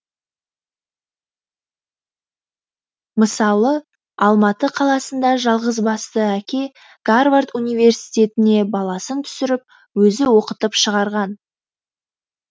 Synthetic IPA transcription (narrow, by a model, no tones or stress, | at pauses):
məsɑlˠə | ɑlˠmɑt̪əqʰɑlˠɑsənd̪ɑʒɑlˠʁəzbɑst̪əækʲe̞ | ɡ̥arvart̪unijve̞rsijt̪ʲe̞t̪ɪne̞bɑlˠɑsənt̪ʰʏ̥sɪɾɪp̚ | wɵzɪwo̞qət̪əpʃəʁɑɾʁɑn